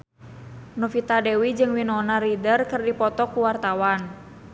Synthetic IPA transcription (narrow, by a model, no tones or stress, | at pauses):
nɔfit̪adɛwid͡ʒɨŋwinɔnaɾidərkɨrdipɔt̪ɔkuwart̪awan